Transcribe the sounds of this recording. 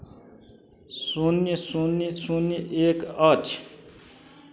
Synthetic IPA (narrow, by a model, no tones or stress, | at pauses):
sunisunisuːniʔeːkaːt͡ʃʰ